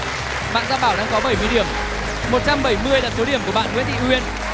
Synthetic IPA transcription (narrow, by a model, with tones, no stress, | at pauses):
ɓa̰ː˧˨nza̰ː˧˨ɓaː˧˩wɗa̰ː˧˥ŋkɔ˨˦ɓə˧˩jmɨ˧əjɗi˧˩əm | mo˨˩t̚t͡ɕa˧mɓə˧˩jmɨ˧əjɗə˨˩t̚so˨˦ɗi˧˩əmku˧˩əɓa̰ː˧˨ŋḭ˨˦˥ənɗḭ˧˨hwi˧ən